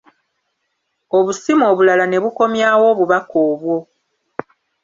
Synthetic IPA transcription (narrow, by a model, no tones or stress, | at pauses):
o̞βusimo̞ːβulalane̞βuko̞mjaːwo̞ːβuβakʰoːβwo̞